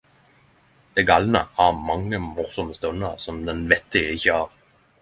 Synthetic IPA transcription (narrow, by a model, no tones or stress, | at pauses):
d̪̥ɛɡɑlnə̰hɑʁmɑŋːəmʊʁsɔməst̪œnːəʁsɔmd̪ɛnʋɛt̪ːɪɡəɪçːəɑːʁ